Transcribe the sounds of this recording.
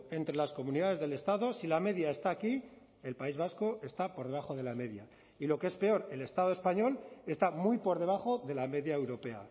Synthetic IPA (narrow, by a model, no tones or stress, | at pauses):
e̞nt̪ɾe̞lasko̞mũniðaðe̞zðe̞le̞st̪aðo̞silame̞ðjae̞st̪aːki | e̞lpaizβ̞asko̞e̞st̪apo̞ɾðe̞βaxo̞ðe̞lame̞ðja | ilo̞kee̞spe̞o̞ɾe̞le̞st̪að̞oespaɲo̞le̞st̪amujpo̞ɾðe̞β̞axo̞ðe̞lame̞ðjae̞wɾo̞pe̞a̰